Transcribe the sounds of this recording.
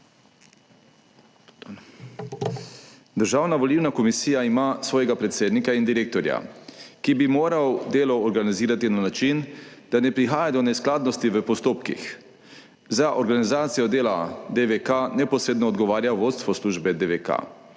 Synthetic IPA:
d̪əɾʒaːwnaʋɔliːwnakɔmisiːjaimasʋɔːjɛɡapɾɛt̪seːd̪nikaind̪iɾeːk̚t̪ɔɾja̰kibimoːɾawd̪eːlɔːɾɡaniziːɾat̪inanat͡ʃind̪̥anɛpɾixaːjad̪ɔnɛsklaːd̪nɔst̪iʋəpɔst̪oːpkḭx | zaʔɔɾɡanizaːt̪sijɔd̪eːlad̪eʋekanɛpɔsɾeːd̪nɔːd̪ɡɔʋaːɾjaʋoːt̪st̪ʋɔsluːʒbɛd̪eʋeka̰

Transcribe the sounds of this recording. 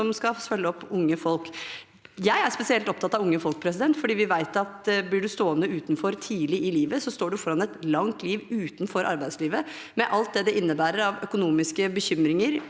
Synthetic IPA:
ɔmskɑfœlːəɔpːʊŋːəfɔlk | jæɪæɾspɛsɪɛlt̪ɔp̚t̪ʰɑt̪ːɑʋʊŋːəfɔlk̚pʰɾɛs̬ɪd̪ɛnt̪fɔɖiːʋɪʋæɪt̪ɑt̪blɪɖʉst̪oːənəʉːt̪n̩fɔɾt̪ʰiːlɪʔɪliːʋəsɔst̪oːɖʉfɔɾɑnɛt̪lɑŋt̪ʰliːʋʉːt̪nfɔɾʔɑ̰ɾbæɪd̪sliːʋə | mɛʔɑlt̪̚d̪ɛd̪ɛʔɪnːəbæːɾəɾɑʋœkʊnuːmɪskəbəçʏmɾɪŋəɾ

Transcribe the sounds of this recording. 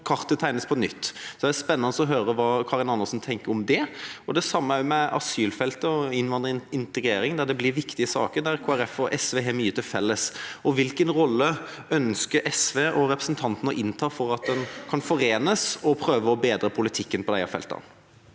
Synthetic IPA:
kʰɑʁt̪ət̪ʰæɪnəspʰɔnʏt̪ːsɔd̪ɛæspɛnːɑnəsɔɦøːɾəʋɑːkʰɑːɾɪnɑnːəsn̩t̪ʰɛŋkəɾɔmd̪ɛɔd̪ɛsɑmːəæmɛɑ̰syːlfɛlt̪əɔɪnʋɑnd̪ɾəɪnt̪əɡɾeːɾɪŋd̪æɾd̪ɛblɪɾʋɪkt̪ɪəsɑ̰ːkəɾd̪æɾkʰoːæɾɛfɔʔɛsʋeːɦɛmyːət̪ʰɪlfɛlːəsɔʋɪlkənɾɔlːə | œnskəɾʔɛsʋeːʔɔɾɛpɾəsnt̪ʰɑnt̪nəʔɪnt̪ʰɑːfɔɾɑt̪̚d̪ɛnkʰɑnfɔɾeːnəsɔpʰɾøːʋəɔbeːd̪ɾəpʰʊlɪt̪ʰɪkːənpʰɔd̪æɪɑ̰fɛ̰lt̪ɑ̰n

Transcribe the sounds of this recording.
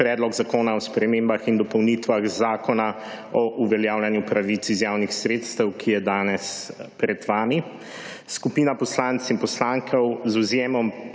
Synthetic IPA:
pɾɛːd̪lɔɡzakoːnaɔspɾɛmembaxind̪ɔpɔwnit̪ʋaɣzaːkɔna | ɔʔuʋɛljawljanjupɾaʋit̪sizjaːwnixsɾeːt̪st̪əwkʰijɛd̪aːnɛspɾɛd̪ʋaːmi | skupiːnapɔslant̪sinpɔslaŋkʰɛwzuzjeːmɔm

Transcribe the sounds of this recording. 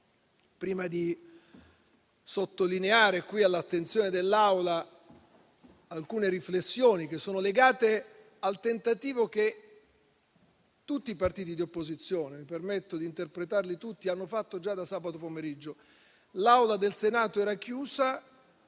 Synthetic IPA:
pɾiːmad̪i | sot̪ːolineaːɾekwialːat̪ːent̪sjoːned̪elːawla | alkuːneɾiflesːjoːnik̟esːoːnoleɡaːt̪e | alt̪ent̪at̪iːvok̟e | t̪ut̪ːiːpart̪iːt̪̬id̪iopːozit̪sːjoːnemipermet̪ːod̪iːnt̪erpɾet̪arlit̪ut̪ːianːofat̪ːod͡ʒad̪asːaːbat̪opomeɾid͡ʒːo | lawlad̪elsenaːt̪oɛːɾakjuːza

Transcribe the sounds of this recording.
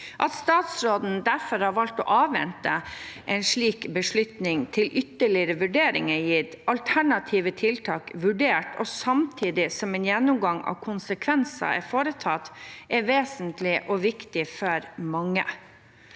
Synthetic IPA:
ʔɑt̪st̪ɑːt̪sɾoːd̪n̩d̪æɾfɔɾhɑːɾʋɑlt̪ɔ̰ʔɑːʋʋɛ̰nt̪əʔɛɪnʂɭiːkbəʂɭʉt̪nɪŋt̪ʰɪlʔʏt̪ːəɭɪɾəʋʉɖeːɾɪŋəjiːtʔɑlt̪ʰæɳɑt̪ʰiːʋət̪ʰɪlt̪ʰɑːkʋʉɖeːʈɔsɑmt̪ʰiːd̪ɪsɔmɛnjɛnːʊmɡɑŋɑ̰ːʋkʰʊnsəkʰʋɛnsɑ̰ɛ̰ɾfoːɾət̪ʰɑt̪ʔɛɾʋeːsənt̪lɪʔɔʋɪkt̪ɪfɔɾmɑŋːə̰

